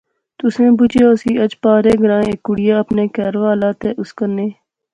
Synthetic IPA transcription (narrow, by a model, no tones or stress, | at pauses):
t̪ʊsẽːbʊd͡ʒeːsiːəd͡ʒpaːɾeːɡəɾãːẽkːʊɽɪjaːəpneːkɛːɾʋaːlaːt̪eːʔʊskənːeː